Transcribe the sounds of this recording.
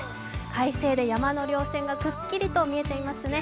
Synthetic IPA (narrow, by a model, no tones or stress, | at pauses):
kʰaise̞ːd̪e̞jamano̞ɾʲo̞ːsẽ̞ŋɡakɯ̟kʲːiɾʲit̪o̞mʲie̞t̪e̞imasɨne̞